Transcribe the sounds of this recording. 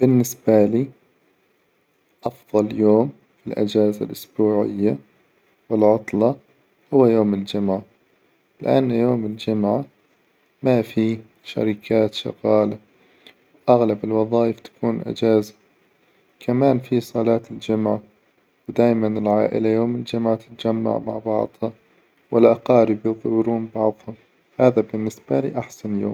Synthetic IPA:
b̥ɪnːɪsbaliː | ʔɑfðˤɑljoːm | filʔɪ̰d͡ʒaːzalʔʊsbuːʕɪ̰jːa | wɪlʕʊt̪ˤlɑ | hʊwːajoːmɪld͡ʒʊmʕa | lɪʔa̰nːjoːmɪld͡ʒʊmʕa | mafi | ʃa̰ɾikʰaːt̪ʃɑ̰ɣɑːla | wʔaɣlabɪlwɑðˤɑːʔɪft̪ḁkuːnʔɪ̰d͡ʒaːzḁ | kʰamaːnfisˤɑlɑːt̪ɪld͡ʒʊmʕa | wd̪aːjmanɪlʕaːʔɪ̰lajoːmɪld͡ʒʊmʕat̪ɪ̥t̪ad͡ʒamːa̰ʕma̰ʕbɑ̰ʕd̪ˤha | wɪlʔɑqɑːɾɪbjɨðˤwɾuːnbɑʕðˤhʊm | haːðabɪnːɪsb̥alḭːʔaħsanjo̰ːm

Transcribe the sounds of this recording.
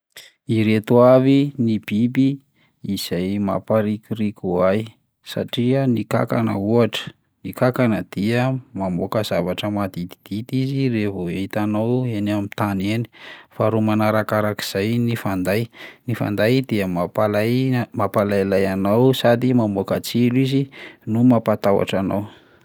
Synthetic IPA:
iɾet̪uavinib̥ibiː | z̥ajma̰paɾikʲuɾikʲuaj | sa̰ʈ͡ʂiənika̰ka̰nə̰uaʈ͡ʂə̥ | nikakanəd̪̥iəmamokəz̥avaʈ͡ʂəmad̪it̪i̥d̪̥it̪iziɾevoit̪anawenamit̪aneni̥faɾumanaɾakaɾaki̥z̥ajnifand̪ajnifa̰nd̪ajd̪iəmapalajmapalajlajanawsad̪imamokat͡silizinumapat̪awa̰ʈ͡ʂanaw

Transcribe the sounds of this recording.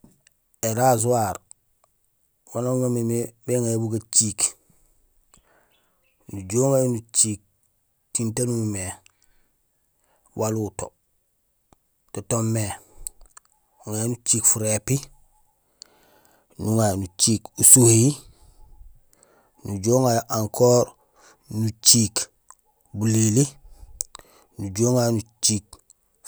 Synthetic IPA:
eɾazuwaɾ | wanamamimebeŋajabukat͡ʃiːk | nuɟoːmajunut͡ʃiːk̚ | tintanumime | wʔaluto̰ | totomːe | ŋanut͡ʃiːkfuɾepi | nuŋajnut͡ʃiːkusuhi | nuɟoːŋajʔaŋkʰoːɾ | nut͡ʃiːk | bulili | nuɟoːŋajnut͡ʃiːk̚

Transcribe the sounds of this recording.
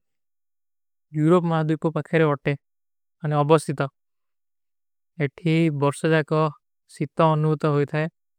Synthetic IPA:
juɾopmaɦad̪upɔpakʰeɾeɔʈe | aneɔbɔst̪ʰit̪ɔ | eʈʰibɔɾsɔd͡ʒakɔ | sit̪ɔːnuut̪ɔɦojt̪ʰae

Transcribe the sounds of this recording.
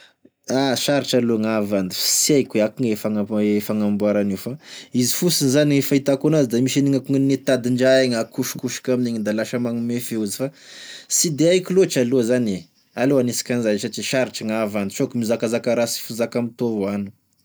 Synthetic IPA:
aʃaɾiʈ͡ʂaloŋavand̪ifsiajkweakuŋefaŋaefaŋambuaɾanifaizifusinzaniefait̪akunazid̪amiʃiniŋakuŋinet̪ad̪iɳd͡ʒaeŋakuʃi̥kuʃi̥kamineɲid̪alaʃamaŋumefeuzi̥fasid̪eajkʲilot͡ʃaloazane | aloanesi̥kʲanizajsat͡ʃiʃaɾiʈ͡ʂəŋavand̪usokumizakazakaɾasi̥fuzakamit̪ovuanu̥

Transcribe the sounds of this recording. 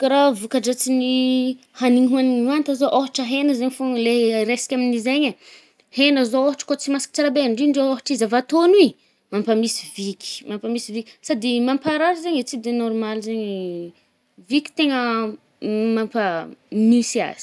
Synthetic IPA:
kaɾavukaʈ͡ʂat͡sini | haniŋɦuaniant̪azoʔoɦaʈ͡ʂəɦenəzeɲfoŋleɾesi̥kʲaminizeɲə | henəzooɦaʈ͡ʂə̥kot͡simasi̥ki̥t͡saɾabenɳɖ͡ʐiɳɖ͡ʐeoɦaʈ͡ʂizavat̪oni | mampamisivikʲi̥mampamisivikʲsad̪imampaɾaɾazeɲet͡sid̪enɔɾmalizeɲi | vikʲi̥t̪eŋə | mampənisia̰z̥i̥

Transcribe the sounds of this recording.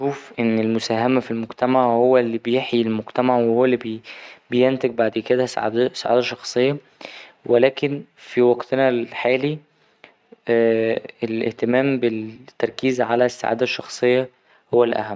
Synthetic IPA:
ʃuːfʔenːelmosæːɦæmæfilmoɡt̪æmaʕhowːælːibejeħjilmoɡt̪æmaʕwehowːælːibbejent̪eɡ̚baʕd̪ked̪æssːa̰ʕa̰ːd̪æʃːɑxsˤejːɑ | welæːkenfiwɑɡt̪enælħaːli | elʔḛht̪emæːmbet̪ːɑɾˤkiːzʕalæsːa̰ʕa̰ːd̪æʃːɑxsˤejːɑ | howːælʔæ̰hæmː

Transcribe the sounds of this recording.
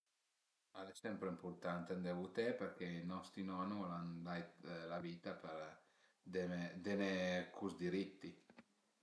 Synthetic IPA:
alesɛmpɾeimpurt̪ant̪end̪evut̪ɛpeɾk̟einɔst̪ɾinɔnuɔland̪ajt̪laviːt̪apeɾ | d̪emed̪enekʰuzd̪iɾit̪ːi

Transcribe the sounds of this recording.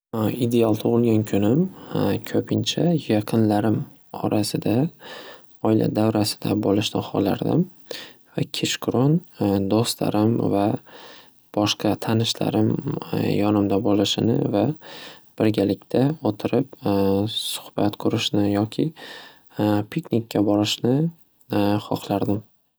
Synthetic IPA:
id̪e̞alˠt̪ʰʊʁɨlˠɡʲankʲʰʊnɪmkʲʰɵpʰɪnt͡ʃʰajɑqʰɨnlaɾɪm | ɒ̰ɾʔasɪd̪a | ɒɪla̰d̪avɾasɪ̥d̪̥a̰bolɪʃnɪχɒ̰la̰ɾd̪ɪ̰m | vakʲʰet͡ʃkʰʊɾond̪ost̪la̰ɾɪmva | b̥ɒʃqʰɑt̪ʰanɪʃla̰ɾɪmjɒnɪmd̪abolɪʃɪnɪ̰vab̥ɪɾɡʲalɪkʲt̪ʰaot̪ʰɪɾɪp̚ | sʊ̥hbat̪qʰʊɾɪʃnɪjɒkʲʰɪ | pʰiknʲikʲʰːabɒɾɪʃnɪ | χɒqlˠaɾd̪ɪm

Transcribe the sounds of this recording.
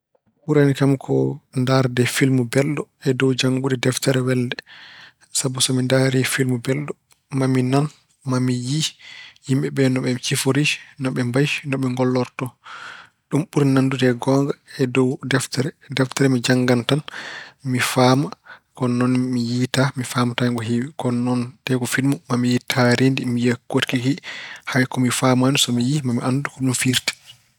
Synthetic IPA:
ɓuɾanikamkʰɔndaɾdɛfilmubɛlɗɔɛdɔwd͡ʒaŋɡudɛdɛftɛɾɛwɛldɛ | sabusɔmindaɾifilmubɛlɗɔ | maminan | mamijihimɓɛɓɛnɔɓɛmt͡ʃifoɾinɔɓɛmbajnɔɓɛŋɡɔlːɔɾtɔ | ɗumɓuɾinandutɛɡɔŋɡaɛdɔwdɛftɛɾɛ | dɛftɛɾɛmid͡ʒaŋɡantanmifaːmakɔnɔnmijitamifaːmataɡɔɦiwkɔnɔntɛkɔfidmumamijitʰaɾindimijekːotkikihajkɔmifamansɔmijimamiʔandukɔɗumfiɾti̥

